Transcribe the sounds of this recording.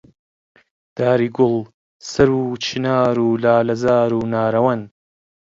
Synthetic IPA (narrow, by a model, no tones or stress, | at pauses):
d̪̥aːɾiːɡʊlˠ | sɐɾuːt͡ʃʰinaːɾuːlaːlɐzaːɾuːnaːɾɐwɐn